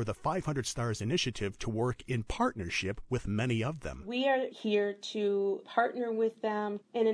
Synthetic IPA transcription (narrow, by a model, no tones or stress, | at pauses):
ə˞ðəfaɪv̥hʌ̃ndɹəd̥stɑɹzɨnɪʃɨɾɪv̥tʰəwɜ˞kɪ̃npʰɑɹtⁿnə˞ʃɪpwɪðmɛñiʌvðɛ̰̃mwiə˞hiɹtʰupʰɑɹtⁿnə˞wɪðɛ̃mɨ̃nɨ̃